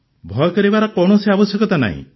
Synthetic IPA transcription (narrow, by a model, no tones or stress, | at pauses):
bʱɔjɔkɔɾibaɾɔkɔwɽ̃ɔsiabɔsjɔkɔt̪ana̰ɦḭ̃